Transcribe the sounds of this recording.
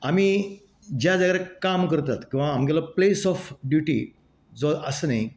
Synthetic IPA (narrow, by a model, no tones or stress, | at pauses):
amiː | d͡ʑjad͡zəɡɾɛkamkəɾt̪at̪kĩw̃ʋaːmɡɛlɔplesɔfɖjuʈḭ | d͡zɔʔəsənaɦi